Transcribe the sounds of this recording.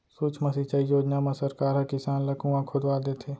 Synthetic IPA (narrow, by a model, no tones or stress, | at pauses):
suːt͡ʃʰmɐsit͡ʃaijoːd͡ʒnamãsəɾkaːɾɦɐkɪsaːnlɐkũãkʰʊd̪ʋaːd̪eːt̪ʰeː